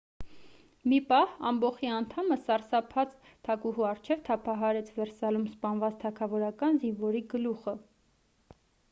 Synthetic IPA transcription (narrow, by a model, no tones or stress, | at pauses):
mipɑhɑmbɔχiɑnt̪ʰɑməsɑɾsɑpʰɑt͡s | t̪ʰɑkuɦuɑrt͡ʃʰɛvt̪ʰɑpʰɑɦɑɾɛt͡sʰvɛɾsɑlumspɑnvɑt͡st̪ʰɑkʰɑvɔɾɑkɑnzinvɔɾiɡəluχə